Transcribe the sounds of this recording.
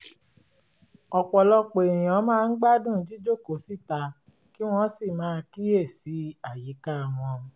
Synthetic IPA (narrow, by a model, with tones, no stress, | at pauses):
ɔ˧k͡pɔ˨lɔ˧k͡pẽ˨ĩ˨ɔ̃˨˦mãː˦˧n̩˦ɡ͡ba˦˨dũ˦˨˦d͡ʒi˦d͡ʒo˦˨ko˨˦si˦˨ta˧ | ki˦w̃ɔ̃˧˦si˦˨mãː˨˦˧ki˦je˦˨si˨˦a˨ji˨˦ka˦˨w̃ɔ̃˧